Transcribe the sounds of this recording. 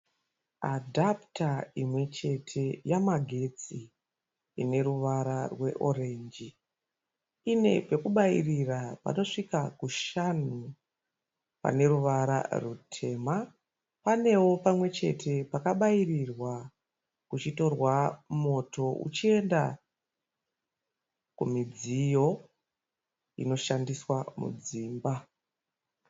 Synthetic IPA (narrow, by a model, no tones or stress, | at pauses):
a̰dʱaptaimwe̞t͡ʃe̞tʰe̞jamaɡʱe̞t͡si | ine̞ɾuʋaɾarwe̞̰ʔo̞̰ɾe̞ːɲd͡ʒi | ine̞̰pe̞kuɓairirapa̰no̞ʂikakuʃan̤u | pa̰ne̞ɾuʋaɾa̰rutʰe̞ːma | pane̞wo̞pamwe̞t͡ʃe̞̰tʰe̞pakaɓairirwa | kut͡ʃito̞rwamo̞to̞ʔṵt͡ʃie̞nda̰ | kumid͡zijo̞ | ḭno̞ʃandiswamṵd͡ziːmba